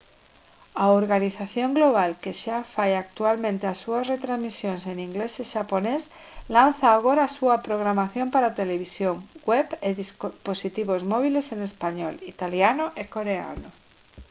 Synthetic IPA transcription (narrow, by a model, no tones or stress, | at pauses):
aoɾɣaniθaθjo̞ŋɡlo̞β̞alke̞ʃafajak̚t̪ualmẽnt̪easuasre̞t̪ɾazmisjo̞nse̞niŋɡle̞seʃapo̞ne̞s | lan̟θaːɣ̞o̞ɾasuapɾo̞ɣ̞ɾamaθjo̞mpaɾat̪e̞le̞β̞isjo̞ŋɡwepeðispo̞sit̪iβ̞o̞zmo̞β̞ile̞se̞ne̞spaɲo̞lit̪aljanoʔeko̞ɾe̞a̰no